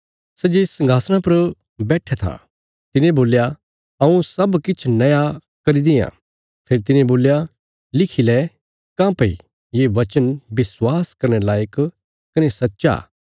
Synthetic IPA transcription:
sɛd͡ʒesɐ̃ŋɡʱaːsñapɐɾ | bɛːʈʰat̪ʰa̰ | t̪ɪnẽboːlja | ɐũsɐbkɪt͡ʃʰnɐja | kɐɾid̪ɪjã̰ː | pʰeːɾit̪ɪnẽboːlja | lɪkʰilɛ | kãːpɐḭ | jeʋɐt͡ʃənbɪswaːskɐɾñɛlaːjək | kɐnesɐtːʃa̰ː

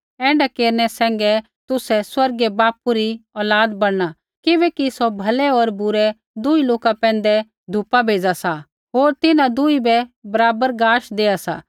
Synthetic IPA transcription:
ɛ̃ːɳɖakeːɾñɛsɛ̃ːŋɡɛ | t̪ʊsɛswɐɾɡɛbaːpuɾiɔːlaːd̪bɐɽña | kɪbɛːkisobʱɐlɛoːɾbʊɾɛ | d̪ʊiloːkapɛ̃ːn̆d̪ɛ | d̪ʱʊpabʱeːd͡zasa | ɦoːɾt̪ɪnãd̪ʊibɛbɐɾaːbəɾɡaːʃd̪eːasa̰ː

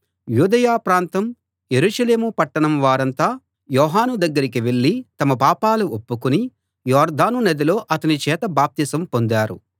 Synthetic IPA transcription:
juːd̪ɐjaːpɾaːnt̪ɐm | jeɾuːʃɐle̞ːmupɐʈːɐɳɐmʋaːɾɐnt̪aː | jɔːɦaːnud̪ɐɡːɐɾik̬iʋe̞ɭːit̪ɐmɐpaːpaːluʔopːukuni | jɔːɾd̪aːnunɐd̪ilo̞ːʔɐt̪ɐnit͡ʃɛːt̪ɐbaːp̚t̪isɐmpo̞nd̪aːɾṵ

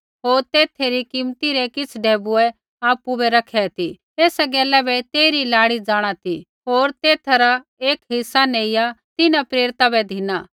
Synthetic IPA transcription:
ɦoːɾt̪eːt̪ʰeɾikɪmt̪iɾɛkɪt͡sʰɖʱeːbuɛ | aːpubɛɾɐkʰɛt̪ʰi | eːsɛɡɛːlɛbɛt̪eːɾilaːɽid͡zaːɽ̃at̪ʰi | ɦoːɾt̪eːt̪ʰɾa | eːkɦɪsːaneːɪjat̪ɪnapɾeːɾɪt̪abɛd̪ʱɪnaː

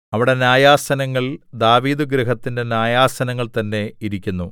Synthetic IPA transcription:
ɐʋiɽe̞njaːjaːsɐnɐŋːɐɭd̪aːʋiːd̪ɨɡɾɐɦɐt̪ːinde̞njaːjaːsɐnɐŋːɐɭt̪ɐnːe̞iɾikʲːunːu

